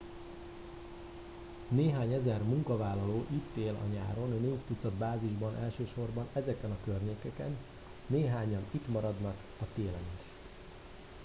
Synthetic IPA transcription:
neːɦaːɲɛzɛrmuŋkɒvaːlːɒloːʔit̪ːeːlɒ̰ɲa̰ːɾo̞nneːft̪ut̪sɒd̪baːziʒbɒnʔɛlʃøːʃo̞rbɒnɛzɛkɛnɒkørɲeːkɛkɛ̰nː | eːɦaːɲɒnit̪mɒɾɒd̪nɒk | ɒt̪eːlɛneːʃ

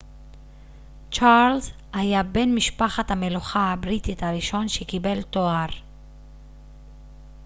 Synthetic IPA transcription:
t͡ʃalz | hajabe̞nmiʃpaχathame̞luχahabʁit̪itaʁiʃo̞nʃekibe̞lto̞aʁ

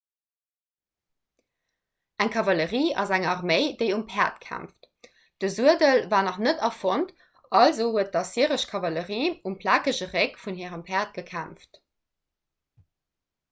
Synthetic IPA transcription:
ʔæŋkʰɑvɑləʁiːɑ̰zæŋɑʁmeɪdeɪumpʰɛːɐtkʰæ̰mft | d̥əzuədəlvaːnɑχnətɑfont | ɑlzoːhuət̚d̥ɑsiəʁəʃkʰɑvɑləʁiːumpʰlaːkəʑəʁekfunɦiːʁəmpʰɛːɐt̚ɡ̥əkʰæmft

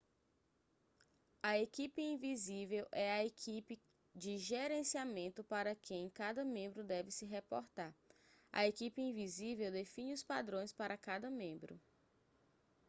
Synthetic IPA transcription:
ɐekipɪĩvizivewʔɛɐekʰipɪ | d͡ʒɪʒeɾẽsiamẽnt̪ʊpaɾɐkẽj̃kad̪ɐmẽmbɾʊd̪ɛvɪsɪɦepɔɾt̪aɾɐ̰ekipɪĩvizivewd̪efĩɲɪʊspad̪ɾõj̃spaɾʔɐkad̪ɐmẽmbɾʊ̰

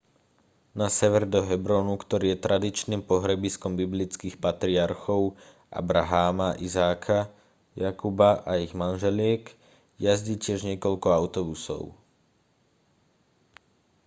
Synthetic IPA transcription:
nasɛʋɛɾd̪ɔɦɛbɾɔːnukt̪ɔɾiːjɛt̪ɾad̪it͡ʃniːmpɔɦɾɛbiskɔmbiblit͡skiːxpat̪ɾiaɾxɔʊ | ʔa̰bɾaɦaːmaʔizaːkʰa | jakubaʔaiɣmanʒɛlɪɛk | jazɟiːcɪɛʒɲɛkɔʎkɔaʊt̪ɔbusɔ̰ʊ

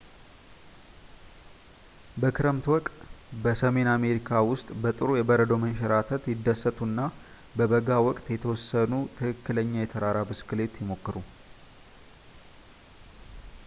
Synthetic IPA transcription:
bəkʰɨɾəmt̪wɔk̪ʼbəsəme̞name̞ɾikʰawʊst̪ʼbət̪ʼɨɾujɛbəɾəd̪owmənʃɛɾat̪ʰət̪jɪd̪ːəsːət̪ʰʼunːa | bəbəɡawɔkʼt̪jɛt̪ʰəwɔsːənut̪ʰɨkʰɨkːɨləɲːajɛt̪ʰəɾaɾabɨskɨle̞t̪jɪmo̞kːɨɾu

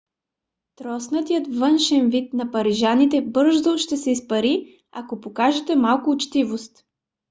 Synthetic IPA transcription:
t̪ɾɔsnət̪ijət̪vɤnʃɛnvit̪nɐpɐɾiʒanit̪ɛbɤɾʒd̪oʃt̪ɛsɛispɐɾi | akopokaʒɛt̪ɛmalˠkʊːt͡ʃt̪ivost̪

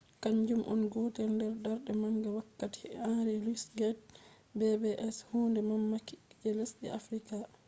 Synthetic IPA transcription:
kaɲd͡ʒumʔɔ̰nɡɔtɛlndɛɾdaɾɗɛmaŋɡawakːati̥̰aɾɛlusɡɛt̚ | bɛbɛʔɛshundɛmamːakid͡ʒɛlesɗɛ̰afɾika

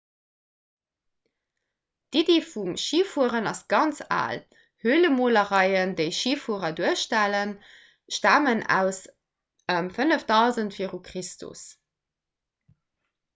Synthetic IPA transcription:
d̥ideːfumʃiːfuəʁənɑsɡ̥ɑnt͡sa̰ːl | hyːləmoːləʁɑɪəndəɪʃiːfuəʁɐduəʃtælən | ʃtæːmənæ̰ʊs | əmfənəfd̥ɑʊzəntfiːəʁukʁistʰṵs

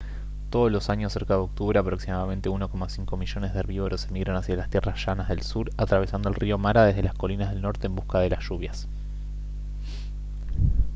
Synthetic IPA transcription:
t̪oð̞olo̞saɲosːe̞ɾkaðeo̞k̚t̪uβɾeapɾo̞ksimaðamẽ̞nt̪e̞uno̞ko̞masiŋko̞miʒo̞nezðeeɾβiβoɾosemiɣɾonasjalast̪jerasʒ̥anazðe̞lsuɾat̪ɾaβesand̪o̞elrio̞maɾaðezð̞e̞lasko̞linaðelno̞ɾt̪eːmbuskaðe̞lasʒ̥uβjas

